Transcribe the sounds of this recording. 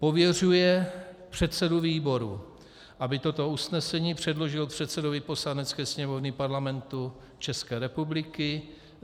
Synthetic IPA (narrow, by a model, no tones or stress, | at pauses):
po̞vjɛrujɛpr̝̥ɛt̪sɛduviːbo̞ɾṵ | ʔabɪt̪ot̪o̞usnɛsɛɲiːpr̝̥ɛdlo̞ʒɪlpr̝̥ɛt̪sɛdovɪpo̞slanɛtt͡skɛːsɲɛmo̞vnɪpaɾlamɛnt̪u | t͡ʃɛskɛːɾɛpublɪkɪ